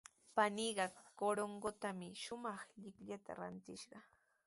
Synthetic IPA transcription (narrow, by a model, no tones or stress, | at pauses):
paniɢɑkoɾoŋɢot̪amɪʃʊmɑχʎɪkʎat̪a̰ɾa̰nt̪ɪʃɢɑ